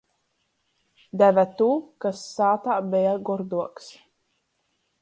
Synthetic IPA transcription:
d̪ævæt̪uːkasːaːt̪aːbɛjaɡɔɾd̪uɔks

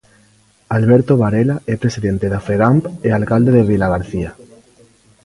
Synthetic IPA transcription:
alβeɾt̪oβaɾelaepɾesiðe̞nt̪eðafeɣampealkald̪eðeβ̞ilaɣ̞aɾθia

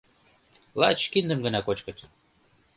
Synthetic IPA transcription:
lɑt͡ɕkind̪ə̆mɡə̆nɑkot͡ɕkɤ̆t̪ʲ

